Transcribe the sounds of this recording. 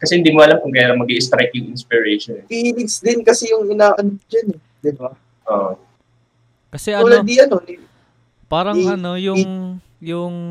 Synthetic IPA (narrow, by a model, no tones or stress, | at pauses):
kɐsɛhɪnd̪iːmoʔɐlamkʊŋkajaɾɐŋmɐɡiʔɪst̪ɾajkɪŋʔɪnspɪɹɛjʃonɛt̪iʔilɪɡsd̪ɪnkɐsɛjʊŋʔɪnaːʔɐnopd͡ʒɐnɛ | d̪ɪna | ʔoːʔo | kɐsɛuːlɐd̪iʔɐno̞nɪ | paːɾɐɐnojʊŋ | jʊŋ